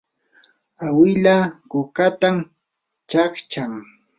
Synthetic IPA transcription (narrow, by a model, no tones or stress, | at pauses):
awɪʎakʊkat̪am | t͡ʃakt͡ʃaŋ